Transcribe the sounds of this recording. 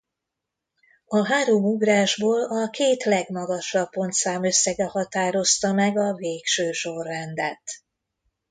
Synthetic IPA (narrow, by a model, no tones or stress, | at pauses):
ɒɦaːɾoːmuɡraːʒboːlɒkeːt̪lɛɡmɒɡɒʃɒbːo̞nt̪saːmø̞sːɛɡɛhɒt̪aːɾo̞st̪ɒmɛɡɒveːkʃøːʃo̞rːɛnd̪ɛt̪